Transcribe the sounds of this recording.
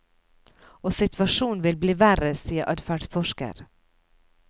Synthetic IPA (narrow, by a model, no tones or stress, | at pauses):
oːsɪt̪ʰʋɑʃuːnʋɪlbliːʋæɾəsiːəɾʔɑd̪fæɖsfɔʂkə̰ɾ